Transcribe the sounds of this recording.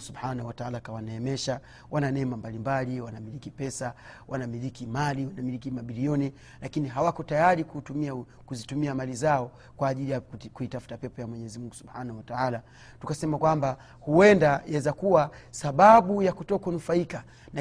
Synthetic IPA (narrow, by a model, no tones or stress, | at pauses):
subħanahuwataalakawanaɛmɛʃa | wʔananɛmambalimbaliwanamilikipɛsa | wʔanamilikimaliwanamilikimaɓiliɔni | lakiniɦawakɔtajaɾikuumi | kuzitumiamalizaɔ | kwaːʄilijakuitafu̥tapɛpɔjamwɛɲɛɛzimuŋɡusubħanahuwataala | tukasɛmakwamba | huɛndajɛzakuwasaɓaɓujakutɔkaunufaika | na